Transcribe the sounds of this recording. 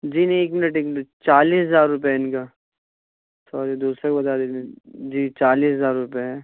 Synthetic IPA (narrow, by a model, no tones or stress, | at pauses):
d͡ʒiːnɐ̃ĩeːkmɪnəʈeːkmɪnʈt͡ʃaːliːszaːɾːʊpjɦɛɪnkaː | sɔːɾid̪uːsɾekbɐt̪aːɾed͡ʒiːt͡ʃaːliːszaːɾɾʊpaɦɛː